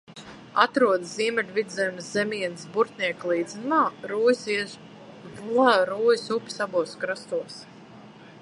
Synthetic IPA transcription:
at̪ɾuɔd̪sziɛmʲɛlʲvid̪zɛjmszʲɛmʲiɛnsbuɾt̪nʲiɛklˠiːd̪zɨnumaːɾuːjsi | lˠaɾuːjisupʲi̥sabuɔskɾast̪uɔs

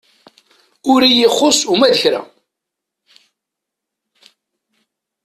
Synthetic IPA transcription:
ʊɾijiχːʊsumæðəçɾæ̰

